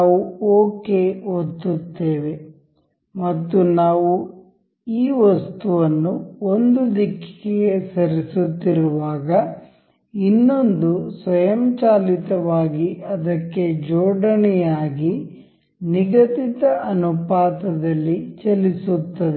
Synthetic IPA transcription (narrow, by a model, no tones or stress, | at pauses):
uoːkeot̪ːut̪ːeːʋe̞ | mɐt̪ːunaːʋu | iːʋɐst̪uʋɐnːuond̪ud̪ikːi̥keɡesɐɾisut̪ːiɾuʋaːɡɐ | inːo̞nd̪usʋɐjɐmt͡ʃaːlit̪ɐʋaːɡiɐd̪ɐkːe̞d͡ʒɔːɖɐnɛjaːɡi | niɡɐt̪it̪ɐʔɐnupaːt̪ɐd̪ɐlːit͡ʃɐlisut̪ːɐd̪e